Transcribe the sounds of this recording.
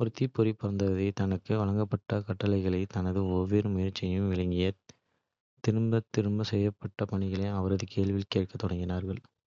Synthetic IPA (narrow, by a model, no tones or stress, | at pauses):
pɔɾɯt̪ːipːɔɾipːɐɾɐnd̪ɐðɐɪt̪ɐnɐkːɯʋɐɭɐŋɡɐpːɐʈːɐkɐʈːɐlɐɪɣɐɭɐɪt̪ɐnɐðɯɔʋːeːɾɯmʊjɐɾt͡ʃːɪjɯmʋɪɭɐŋɡɪjɐ | t̪ɪɾɯmbɐt̪ːɪɾɯmbɐsɛjːɐpːɐʈːɐpɐɳɪɣɐɭeːɐʋɐɾɐðɯkʰeːɭʋɪlkeːʈ̚kɐt̪ːɔɽɐŋɡɪnaːɾɣɐɭ